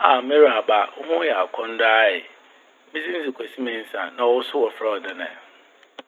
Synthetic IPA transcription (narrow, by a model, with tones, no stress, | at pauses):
a˨mẽ˦ɾa˨ba˦ʊ˦hʊ̃˦jɛ˨a˨kʰɔ̃˦n˦daː˦ɪ˨ | mĩ˦sĩ˦n̩˦si˨kʰʷɛ˨si˦mĩ˨n̩˦sã̰˨nã˨ɔ˨ʊ˦sʊ˦wɔ˨fa˦ɔ˨dɪ˦˨nɛ̰̃˨